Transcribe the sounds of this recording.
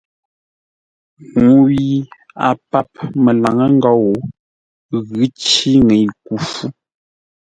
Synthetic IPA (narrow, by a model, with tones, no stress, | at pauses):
ŋu˨˦wi˦ | a̰˨pa˦˨p̚mə˨la˨ŋə˦ŋ̩˦ɡɔ˦wo˨ | ɣʉ˦t͡ʃi˦ŋe˨jku˨˦fu˦